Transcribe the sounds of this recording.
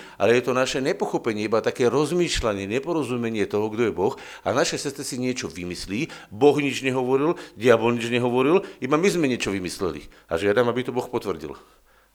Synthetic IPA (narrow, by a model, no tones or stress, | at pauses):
ʔa̰lɛjɛt̪ɔnaʃɛɲɛpɔxɔpɛɲɪɛibat̪akɛːɾɔzmiːʃlaɲɪɛɲɛpɔɾɔzumɛɲɪɛt̪ɔɦɔɡd̪ɔjɛbɔx | a̰naʃɛsɛst̪t͡sɛsiɲɪɛt͡ʃɔʋimisliːbɔɣɲid͡ʒɲɛɦɔʋɔɾilɟɪabɔlɲid͡ʒɲɛɦɔʋɔɾilibamizmɛɲɪɛt͡ʃɔʋimislɛ̰lḭ | a̰ʒɪad̪amabit̪ɔbɔxpɔt̪ʋr̩ɟḭl